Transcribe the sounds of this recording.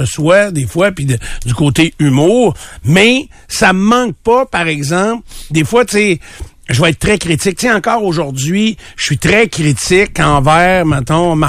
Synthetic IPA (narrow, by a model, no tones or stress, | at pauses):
əswad̪efwapid̪əd̪d͡zykoːt̪eymuːʁmɛsaməmɑ̃k̚pʌpaʁɛɡzɑ̃pld̪eːfwat̪sɪ | ʒəvʌɛt̪̚t̪ːʁɛkʁit̪ɪk̚t̪seɑ̃kɑːʁoʒʊʁd̪zɥiʃə̥sɥit̪ʁɛkʲʁit͡sɪkɑ̃vɛːʁmɛt̪ɔ̃ma